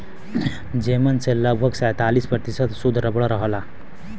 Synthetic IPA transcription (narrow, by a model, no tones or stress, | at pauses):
d͡zemənt͡selːabʱəksajt̪alispɾət̪isət̪sud̪ʱɾəbɽʌɾʌɦla